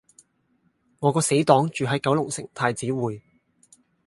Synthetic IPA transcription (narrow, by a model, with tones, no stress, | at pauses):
ŋɔː˨˧kɔː˧se˨˥jt̪ɔː˨˥ŋt͡ʃyː˨ɦɐ˨˥jkɐ˨˥wlʊ˨˩ŋsɪ̰˨˩ŋt̪ʰaː˧jt͡siː˨˥wuː˨j